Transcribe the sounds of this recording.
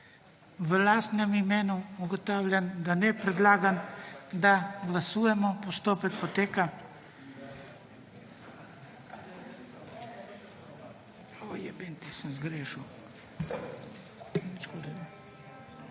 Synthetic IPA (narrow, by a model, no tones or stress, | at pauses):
ʋəlaːst̪nɛmimeːnuuɡot̪aːwlʲand̪anɛpɾɛd̪laːɡand̪aɡlasuːjɛmɔpost̪oːpɛkpot̪eːka | ojɛbent̪isəmzɡɾeːʃuw | it͡ʃkoɾɛ